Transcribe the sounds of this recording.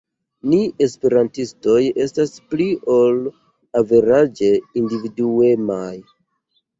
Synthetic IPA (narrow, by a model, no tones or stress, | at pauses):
nie̞spe̞ɾantisto̞je̞staspliʔo̞l | ave̞ɾad͡ʒe̞individue̞maj